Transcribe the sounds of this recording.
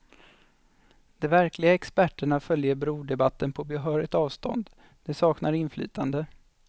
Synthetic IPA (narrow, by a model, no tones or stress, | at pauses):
d̪̥ɛvæɾklɪɡaɛkspæʈːəɳafœljəɾbɾuːd̪ɛbat̪ːənpʰɔbɛɦœːɾɪɡ̚t̪ɑːvst̪ɔ̰nd̪ | d̪̥ɛsɑːknaɾɪnfly̰ːt̪ʰand̪ə